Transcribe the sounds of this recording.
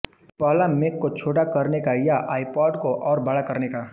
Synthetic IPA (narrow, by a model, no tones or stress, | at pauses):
pəɦlamekːot͡ʃʰoːʈakəɾnekajaʔaːipɔːɖkoʔɔːɾbəɽakəɾneka